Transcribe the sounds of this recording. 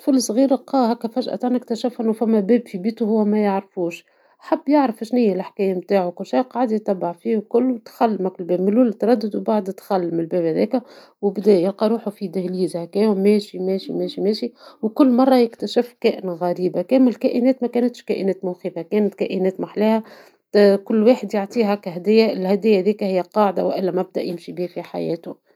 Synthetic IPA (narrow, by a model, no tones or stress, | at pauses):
fʊlsɣiːɾɪqɑːhækːæfæʒʔæ̰t̪ˤaʕnɪkt̪æʃɪfʔɪnːufæmːæbɛːbfibiːt̪uhʊwːæmæjaʕɾfuːʃ | ħabːjaʕɾɑfʃnɪjːælʔaħkɛːjamt̪aːʕuwkʊlːʃijqɑːʕd̪jt̪ˤːɑbːɑʕfiːhkʊlːuwt̪xælːmækɪlbɛːbmɪluːlt̪ɾˤɑd̪ːɪd̪wbaʕd̪t̪xælːmɪlbɛːbhæðɛːkæ | wbd̪ɛːjɪlqɑɾˤuːħufid̪ɪhliːzhækæːjumɛːʃimɛːʃimɛːʃimɛːʃiwkʊlːmɑrˤːɑjɪkt̪æʃɪfkɛːʔɪnɣæɾiːbakɛːmɪlkæːʔɪnɛːt̪mækæːnɪt̪ʃkæʔɪnɛːt̪mʊwxiːfækɛːnɪt̪kæʔɪnɛːt̪maħlæːhæ | kʊlːweːħəd̪jɪʕt̪ˤiːɦækæɦæd̪ɪjːæɪlhæd̪ɪjːæðiːkæhɪjːæqɑːʕd̪a̰wʔɪlːæmæb̚d̪æʔjɪmʃibiːhfiħa̰jɛ̰ːt̪ʊ